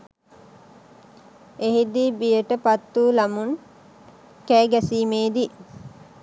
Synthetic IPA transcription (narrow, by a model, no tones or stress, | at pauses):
eɦid̪ibijəʈəpat̪ːuːlamun | kæːɡæsiːmeːd̪i